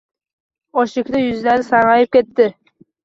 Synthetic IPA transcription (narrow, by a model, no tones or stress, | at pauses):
ɒʃɪkʲd̪ajʏzlæɾɪsɑɾʁɑjɪp̚kʲe̞t̪ːɪ